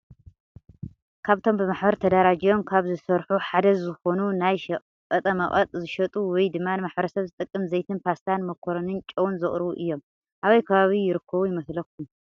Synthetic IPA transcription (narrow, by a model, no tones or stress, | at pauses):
kʰaβt̪ʰo̞mbɨmaħbɐɾt̪ʰɐd̪aɾad͡ʒijo̞mkʰaβzɨsɐɾħuħad̪ɐzɨxo̞nunajʃ | kʼɐt̪ʼɐmɐʔʼɐt̪ʼzɨʃɐt̪ʼuwɔjd̪ɨmːanɨmaħbɐɾɐsɐβzɨt̪ʼɨkʼːɨmzɐjt̪ʰɨnpʰast̪ʰanmɐkʰːoɾɐnɨnt͡ʃʼɐwnzɨχʼɾɨβuʔɨjːo̞m | ʔaβɐjkʰɐβaβijɪɾɨkʰːɐβujɪmɐslɐk̚ʰːum